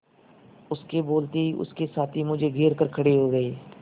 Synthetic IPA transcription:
ʊskeboːlt̪eiʔʊ̰skesaːt̪ʰimʊd͡ʒʱeɡʱeːɾkəɾkʰɐɽeɦoːɡəeː

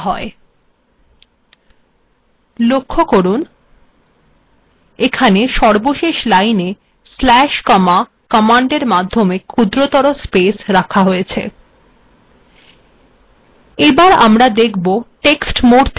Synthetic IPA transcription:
ɦɔe | lokʰːokoɾun | ekʰaneʃɔɾboʃeʃlajne | slɛʃkɔma | kɔmaɳɖeɾmad̪ʱːomekʰud̪ɾot̪ɔɾospesɾakʰaɦojet͡ɕʰḛ | ebaɾa̰mɾad̪ekʰboʈeksʈmoɾt̪ʰ

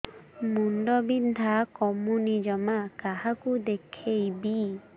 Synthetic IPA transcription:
munɖɔbind̪ʱakɔmunid͡ʒɔmakaɦakud̪ekʰejbi

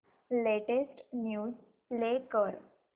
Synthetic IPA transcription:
leʈesʈnjuːz | lekəɾ

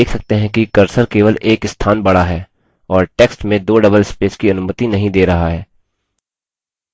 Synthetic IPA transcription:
eːkʰsɐk̚t̪eɦɛ̃kikɐɾsəɾkeːʋəlʔeːkɪst̪ʰaːnbɐɽaɦɛː | ɔːɾʈeːksʈmẽd̪oːɖɐbəlspeːskiɐnʊmət̪inɐɦĩd̪eːɾɐɦaɦɛː

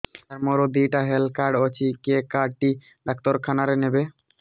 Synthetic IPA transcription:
aɾmɔɾod̪iʈaɦelkaɾɖɔt͡ɕʰikekaɖ̚ʈi | d̪ak̚t̪oɾkʰanaɾenebe

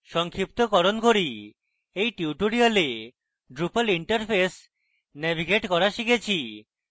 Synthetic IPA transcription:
ʃɔŋkʰip̚t̪okɔɾonkoɾi | ejʈiuʈoɾiale | ɖɾupaliɳʈaɾpʰes | nɛbʱiɡeʈkɔɾaʃikʰet͡ɕʰi

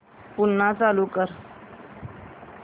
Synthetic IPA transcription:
punːat͡salukəɾ

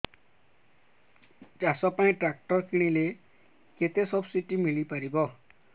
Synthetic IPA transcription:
d͡ʒasɔpaĩʈɾak̚ʈɔɾkiɽ̃ĩle | ket̪esɔbsiʈimiɭipaɾibɔ

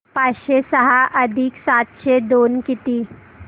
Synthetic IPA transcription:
paːʃesɐɦaʔɐd̪ʱiksaːt̪ʃed̪oːnkɪt̪iː

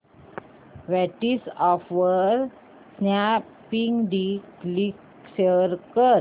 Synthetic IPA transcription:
ʋɛʈisɔfʋəɾ | sna | pĩŋdiklik | səɾkəɾ

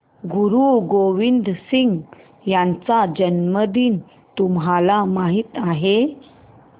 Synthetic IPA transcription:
ɡuɾuɡoʋind̪siŋɡ | jant͡sad͡ʑənməd̪iːn | t̪umɦalamaɦiːt̪aɦe

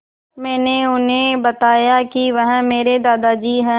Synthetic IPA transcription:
mɛ̃ːneʊnẽːbət̪aːjakiʋəɦə̃meːɾed̪aːd̪aːd͡ʒiːɦɛ̃

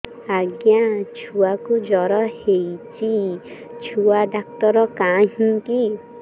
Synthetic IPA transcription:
aɡjãt͡ʃʰuwakud͡ʒɔɾɔhejt͡ʃʰi | t͡ʃʰuad̪ak̚t̪ɔɾɔkãɦĩŋki

